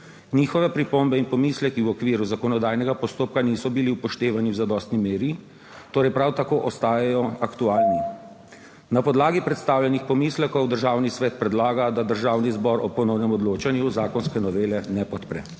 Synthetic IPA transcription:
niːxɔʋɛpɾipombɛinpɔmiːslɛkiwɔkʋiːɾuzakɔnɔd̪aːjnɛɡapɔst̪oːp̚kaniːsɔbiliwpɔʃt̪eːʋaniwzad̪ɔst̪nimeːɾi | t̪oːɾɛjpɾawt̪akoːʔɔst̪aːjajɔakt̪uaːlni | napɔd̪laːɡipɾɛt̪st̪aːwljanixpɔmislɛkɔwd̪əɾʒaːwnisʋɛt̪̚pɾɛd̪laːɡad̪ad̪əɾʒaːwnizbɔɾɔpɔnɔwnɛmɔd̪loːt͡ʃanjuzaːkɔnskɛnɔʋeːlɛnɛpɔt̪pɾɛ̰

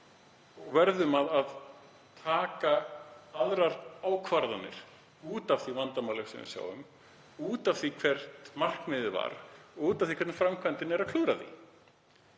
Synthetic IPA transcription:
ɔɣvɛɾðʏmaðað | t̪ʰaːkaaðɾaɾaːwkʰvaɾðanːɪ̰ɾ̥ | uːt̪afθivant̪amawlʏfsɛ̰mvɪ̰sja̰ːwʏ̰m | uːt̪afθvikʰvɛɾt̪mar̥kmɪðɪva̰ɾuːt̪afθikʰɛt̪nɪfɾamkʰvant̪ɪnɛɾakʰlʏːɾaðḭ

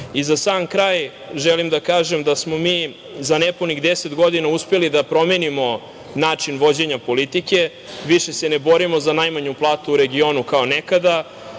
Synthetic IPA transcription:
izasaːmkɾaːj | ʒelimd̪akaːʒemd̪asmo̞miː | zaneponiɣd̪eset̪ɡo̞d̪inauspelid̪apɾo̞me̞nimo̞ | naːt͡ʂinʋo̞d͡ʑe̞ɲapo̞lit̪ike̞ | ʋiʃe̞senebo̞ɾimo̞zanajmaɲuplˠaːt̪uːɾe̞ɡio̞nukaonekad̪a

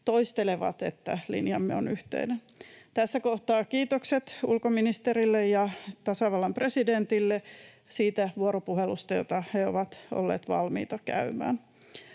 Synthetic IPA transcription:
t̪oist̪eleʋɑ̰t̪ḛt̪ːælḭnjɑmːeo̰nyht̪ḛinen | t̪æsːækoht̪ɑːkiːt̪okset̪ulkominist̪erilːejjɑt̪ɑsɑʋɑlːɑmpresident̪ilːe | siːt̪æʋuoɾopuhelust̪ɑjo̰t̪ɑheo̰ʋɑt̪o̰lːḛːt̪ʋɑ̰lmḭːt̪ɑkæ̰ymæ̰ːn

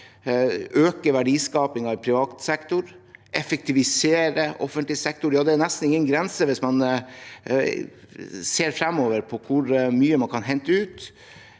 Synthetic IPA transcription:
øːkəʋæɖiːskɑːpɪŋɑɪpʰɾɪʋɑːt̪sɛkt̪ʊɾʔɛfɛk̚t̪ʰɪʋɪseːɾəʔɔ̰fənt̪lɪsɛk̚t̪ʊɾjɑːd̪ɛnɛst̪n̩ɪŋːənɡɾɛnsəʋɪsmɑn | seːɾfɾɛmoːʋəɾpʰɔkʰʊɾmyːəmɑnkʰɑnɦɛnt̪əʉːt̪

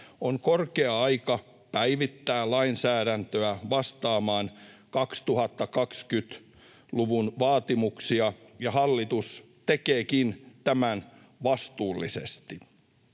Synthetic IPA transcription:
oŋkorkeɑɑikɑ | pæiʋit̪ːæːlɑinsæːɾænt̪øæʋɑst̪ɑːmɑːnkɑkst̪uhɑt̪ːɑkɑkskyt̪ | luʋunʋɑːt̪imuksiɑjɑhɑlːit̪us | t̪ekeːkint̪æmæn | ʋɑst̪uːlːḭsest̪i

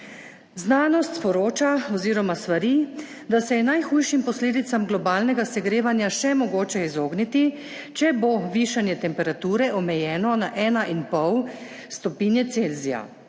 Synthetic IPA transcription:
znaːnɔst̪spɔɾoːt͡ʃaɔziːɾɔmast̪ʋaɾi | d̪asɛjɛnajxuːjʃimpɔsleːd̪it̪samɡlɔbaːlnɛɡasɛɡɾeːʋanjaʃɛmɔɡoːt͡ʃɛizoːɡnit̪i | t͡ʃɛboʋiːʃanjɛt̪ɛmpɛɾat̪uːɾɛʔɔmɛjɛːnɔnaʔɛːnaʔinpɔw | st̪ɔpiːnjɛt̪selzija̰

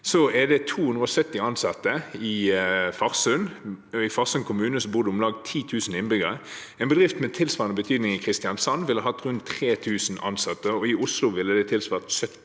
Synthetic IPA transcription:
sɔɛd̪ɛt̪ʰuːhʉnd̪ʁəɔsœt̪ːɪɑnsɑt̪ːəɪfɑʁsʉnɪfɑʁsʉnkʰʊmʉːnəsɔbʊʁd̪əʊmlɑːɡt̪ʰiːt̪ʰʉːsn̩ɪnbʏɡəʁə | ɛːnbəd̪ʁɪft̪mɛt̪ʰɪlsʋɑːʁnəbət̪ʰyːd̪nɪŋɪkʰʁɪst̪ɪɑnsɑnːʋɪlhəɦɑt̪ːʁʉnt̪ʰːʁeːt̪ʰʉːsn̩ɑ̰nsɑt̪ːəɔɪʊslʊʋɪlːəd̪ɛt̪ʰɪlsʋɑːʁt̪sœt̪ː

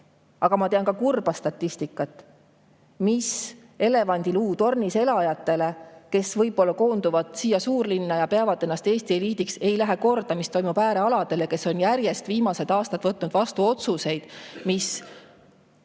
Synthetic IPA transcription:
ɑɡ̥ɑmɑt̪eɑnkɑkurb̥ɑst̪ɑt̪ʲːist̪ikːˑɑt̪ːˑ | mis | e̞le̞vɑnʲd̪̥iluːt̪o̞rnise̞lɑjɑt̪ːˑe̞le̞ke̞svɤjbo̞lːɑko̞ːnd̪uvɑd̪̥siːjɑsuːrlinːɑjɑpeɑvɑd̪̥e̞nːɑst̪e̞ːst̪ie̞liːt̪ikse̞jlæɦeko̞rd̪̥ɑmist̪o̞jmub̥æːɾe̞ɑlɑd̪̥e̞leke̞so̞njæɾje̞st̪viːmɑse̞d̪ɑːst̪ɑt̪vɤt̪ːˑnud̪̥vɑst̪uo̞t̪suse̞jd̪̥mis

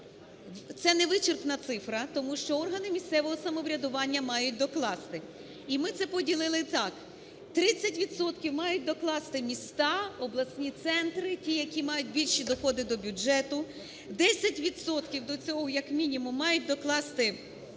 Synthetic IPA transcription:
t̪sɛnɛʋɪt͡ʃɪrknɐt̪sɪfɾɐt̪ɔmuʃt͡ʃɔɔrɦɐnɪmʲisʲt̪sɛʋɔɦɔsɐmɔʋɾʲɐd̪ʊʋɑnʲːɐmɑjʊt̚ʲd̪ɔklˠɑst̪ɪ | imɪt̪sɛpɔdʲilˠɪlˠɪt̪ɑk | t̪ɾɪt͡sʲːɐtʲʋʲid̪sɔt̪kʲiwmɑjʊt̚ʲd̪ɔklˠɑst̪ɪmʲist̪ɑɔblˠɐsʲnʲit̪sɛnt̪ɾɪtʲijɐkʲimɑjʊt̚ʲbʲilʲʃid̪ɔxɔd̪ɪd̪ɔbʲʊd͡ʒɛt̪ʊ | d̪ɛsʲɐtʲʋʲid̪sɔt̪kʲiwd̪ɔt͡sʲɔɦɔjɐkmʲinʲimʊmːɑjʊt̚ʲd̪ɔklˠɑst̪ɪ

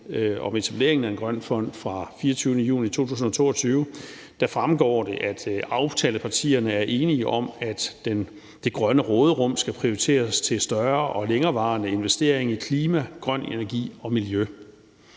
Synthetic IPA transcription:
ɒ̽me̝t͡sʰæb̥le̝̰ɐeŋn̩æɐe̝nɡ̥ʁɶn̰fɒ̽n̰d̥fʁɑ̈fiːɐt͡sʰyːʊnəjṵːlit͡sʰo̝̰ːt͡sʰṵːsn̩ɒ̽t͡sʰo̝̰ːɒ̽t͡sʰyːʊə | d̥æfʁamɡ̥ɒ̰ːd̥e̝ʔæd̥ɑ̈ʊt͡sʰɛːləpʰɑ̈t͡sʰḭːɐnəæɐʔe̝ːniəʔɒ̽mæd̥en | d̥e̝ɡ̥ʁɶnəʁɔ̽ːð̞ˠəʁɔm̰sɡ̥æpʰʁioʁit͡sʰe̝̰ːɐst͡sʰe̝lsd̥ɶɐʔɒ̽leŋɐːʋɑ̈ːnəe̝nʋesd̥e̝ɐ̰e̝ŋikʰliːmæɡ̥ʁɶn̰e̝næɐɡ̥ḭːɒ̽miljø

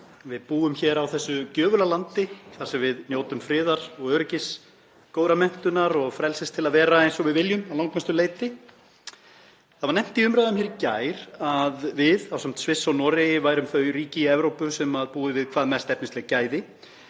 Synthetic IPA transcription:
vɪðpuːʏmçɛːɾawθɛsːʏcœːvʏlalant̪ɪθaɾ̥sɛmvɪðnjoːwt̪ʏmfɾɪːðaɾ̥ɔɣœːɾɪcɪs | koːwɾamɛm̥t̪ʏnaɾɔɣfɾɛlsɪst̪ʰɪlaðvɛːɾaejnsɔɣvɪðvɪljʏmawlaŋkmɛst̪ʏleːjt̪ɪ | θaðvaɾnɛm̥t̪ɪiʏmɾajðʏmçɛːɾcaːjɾ̥aðvɪðawsɛm̥t̪svɪsːawnɔːɾɪjɪvaːjɾʏmθœɥɾiːcɪɛvɾowpʏsɛmaðpuːðɪvɪðkʰv̥aːðmɛst̪ɛpnɪst̪ɛɣcaːjðɪ

